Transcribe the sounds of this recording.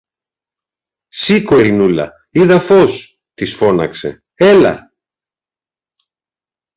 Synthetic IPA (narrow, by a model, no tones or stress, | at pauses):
siko̞ɾinulɐ̰ | iðɐfo̞s | t̪isfo̞nɐ̰kse̞̰ | e̞lɐ̰